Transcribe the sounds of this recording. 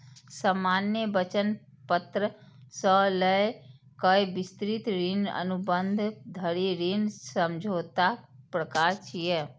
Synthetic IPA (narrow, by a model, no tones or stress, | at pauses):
səmaːnjəbət͡ʃən | pət̪ɾə | sələe | kəjbɪst̪ɾit̪ɾinə̰nubənd̪ʱd̪ʱəɾiɾinsəmd͡ʒʱoːt̪apɾəkaɾt͡ʃije